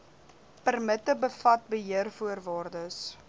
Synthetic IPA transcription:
pərmətəbəfɐt̚bəɦiərfuərvɑːrdəs

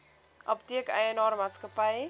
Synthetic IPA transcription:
ʔɔptiəkəjənɑːɾmaːtskəpəj

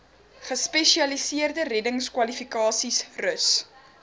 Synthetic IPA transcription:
χəspɛʃiɐlisiərdərɛdəŋskwɐlifikɑːsisrəs

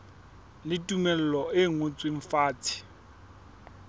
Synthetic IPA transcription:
lɪtʼumɛl̩lɔɪŋot͡sʼwɪɱ̩faːt͡sʰʼi̥

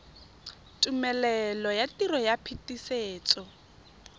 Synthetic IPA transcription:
tʼumɛlɛlɔjatʼiɾɔjapʰitʼiseːt͡sʼɔ

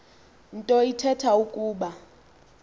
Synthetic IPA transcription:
n̩tʼɔitʰɛtʰaukʼuːɓa

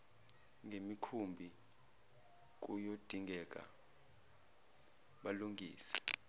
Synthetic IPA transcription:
ŋʱemikʰumbʱi | k̬ujod̥ʱiŋʱɛk̬ʼa̰ | ɓaluŋɡʱḭːsɛ̥

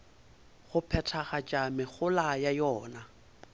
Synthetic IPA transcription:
ɣʊpʰɛtʰaχat͡ʃʼamɪɣʊlajajɔːna

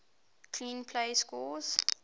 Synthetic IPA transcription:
kʰlĩːnpʰleɪskulz̥

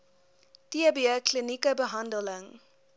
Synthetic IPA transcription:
tiəbiəklinikəbəɦɐndələŋ

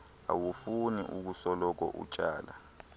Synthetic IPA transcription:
a̰wufuniʔuk̬usɔlɔk̬ɔ̰ʔṵt͡ʃʼaːla

